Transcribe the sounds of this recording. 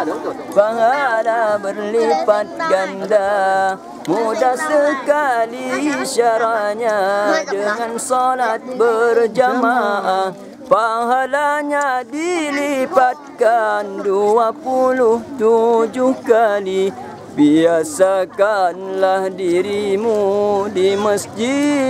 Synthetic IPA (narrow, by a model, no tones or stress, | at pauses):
paɦalabərlipat̪̚ɡanda | mudasəkaliʃaɾaɲadəŋãnsɔlat̪̚bərd͡ʒamaʔa | paɦalaɲadilipat̪̚kanduapulʊht̪ud͡ʒʊhkali | biasakanlahdiɾimudiməsd͡ʒi